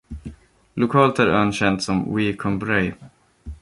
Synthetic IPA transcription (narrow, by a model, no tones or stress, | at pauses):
lʊkʰɑːlt̪æɾœnɕɛnt̪sɔmwiːkʰɔmbɾɛj